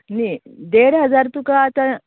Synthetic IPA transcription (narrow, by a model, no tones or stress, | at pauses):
niɖeːɽɦɐd͡zaɾt̪ukaːt̪a